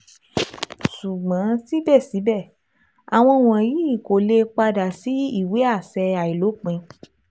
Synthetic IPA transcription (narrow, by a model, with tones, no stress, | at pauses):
ʃu˨ɡ͡bã˨˦ti˦bɛ˦˨si˨˦bɛ˦˨ | a˨w̃ɔ̃˧w̃ɔ̃˨ji˨˦i˦˨ko˨le˧k͡pa˧da˨si˨˦i˦˨we˨˦a˦˨sɛ˧a˨i˨lo˨˦k͡pĩ˨˧